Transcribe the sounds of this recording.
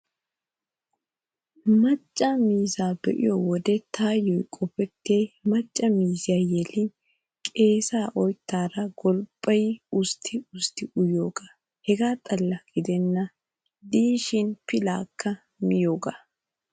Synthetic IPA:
mɐt͡ʃʼːɐmiːzaːbɛʔɪ̰jɔwɔd̪ɛt̪ʰaːjɔjkʼɔpɛt̪ːɪejmɐt͡ʃʼːɐmiːzɪjaːjɛlɪn | kʼe̞ːsaːʔɔjt̪ːaːɾɐɡɔlpʼːɐjʊst̪ʰːɪʊst̪ɪʔʊjoːɡa | hɛɡaːt̪ʼɐlːɐɡ̥ɪd̪ɛnːɐ | d̪iːʃɪnpɪlaːkːɐ | mɪjo̞ːɡaː

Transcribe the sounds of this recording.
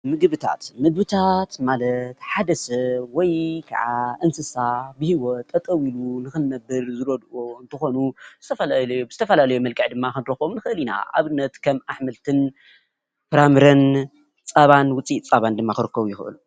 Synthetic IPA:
mɨɡɨβɨt̪ʰa̰t̪mɨɡ̚bɨt̪ʰat̪malɐt̪ħad̪ɐsɐβwɔjkʰa̰ʕaʔɨnsɨsabɨhiwot̪ʼːɐt̪ʼɐwilunɨxɨnːɐbːɨɾzɨɾod̪ʔoɨnt̪ʰɨxo̞nuz̥ɨt̪ʰɐfɐlalɐjobɨzɨt̪ʰɐfɐlalɐjumɐlkʼɐʕd̪ɨmːakɨnd̪ɾɐxomnɨxɨʔɨlina̰ʔa̰βɨnːɐt̪kʰɐmaħmɨlt̪ʰɨn | pɨɾamɨɾɐn | t͡sʼɐβanwʊt͡sʼit͡sʼɐβand̪ɨmːakɨɾɨkːɐβujɪxɨʔɨ̰lu

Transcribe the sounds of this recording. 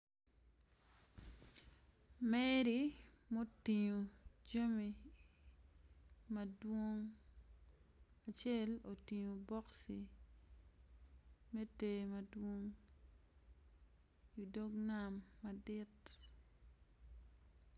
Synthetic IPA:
mɛɾi | motiɲod͡ʒɐmi | mɐdwoŋ | at͡ʃɛlotiɲobɔksi | metemɐdwoŋ | idoɡnamːadɪt

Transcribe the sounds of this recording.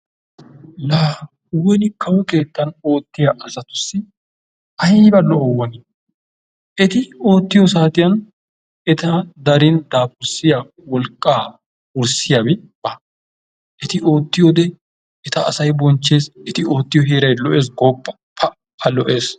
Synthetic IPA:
laː | wɛnɪkɐwɛke̞ːt̪ːɐno̞ːt̪ːɪjaʔɐsɐt̪ʊsːɪ | ɐjbɐlɔɔwːɐnɛ | ʔɛt̪ɪo̞ːt̪ːɪjɔsaːt̪ʼɪjɐn | ɛt̪ɐd̪ɐɾɪnd̪aːpʊɾsɪja | wɔlkʼːaː | ʊɾsɪjabɛ | b̥ɐ | ʔɛt̪ɪʔo̞ːt̪ːɪjɔd̪ɛ | ɛt̪ɐːsɐjbɔnt͡ʃːeːsɛt̪ɪo̞ːt̪ːɪjɔɦeːɾɐjlɔʔe̞ːs̬ɡoːpːɐ̥ | pʰɐ | ɐlɔʔe̞ːs

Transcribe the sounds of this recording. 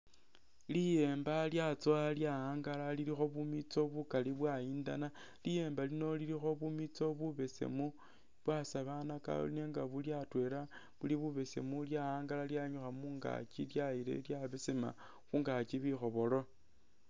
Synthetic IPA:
lije̞ːmbaljat͡soaljaaːŋɡalaliɾixo̞βumit͡so̞βukaliβwaiːnda̰na | lije̞ːmbalino̞liɾixo̞βumit͡so̞βuβe̞sḛmu | βwasaβanaka̰ne̞ŋɡaβuljatwe̞ɾa | βuliβuβe̞se̞̰muljaaːŋɡalaljaɲuxamuːŋɡa̰t͡ʃiljaiɾe̞̰ljaβesema̰ | xuːŋɡat͡ʃiβixo̞βo̞lo̞

